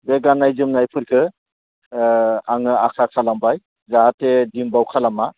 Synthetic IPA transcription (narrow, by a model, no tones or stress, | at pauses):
beɡanːajzɯmnajpʰɯɾkʰɯ | aŋɯakʰakʰalambaj | zaɦatːedimbawkʰalama